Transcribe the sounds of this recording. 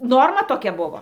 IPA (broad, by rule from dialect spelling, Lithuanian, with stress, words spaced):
ˈnoːrmɐ toːˈkʲɛ ˈbʊʋoː